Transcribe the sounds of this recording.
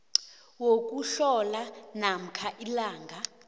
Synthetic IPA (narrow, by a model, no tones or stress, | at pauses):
wok̬ʼuɬɔlanam̩kʰaʔilaːŋɡʱa